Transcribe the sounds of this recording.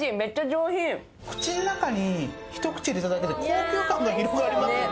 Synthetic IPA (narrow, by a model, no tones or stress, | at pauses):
imet͡ɕad͡ʑoːɦĩ | kɯ̟̥t͡ɕinonakaɲiçi̥t̪o̞kɯ̟̥t͡ɕid̪eit̪ad̪ait̪eɾekʰoːkʲoːkãŋɡaɡʲiɾokɯɡaːɾʲima